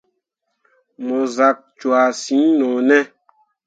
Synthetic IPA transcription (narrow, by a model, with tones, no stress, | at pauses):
mɔ˨za˨k̚t͡ʃwa˨sĩ˨˦nɔ̃ː˨nɛ˦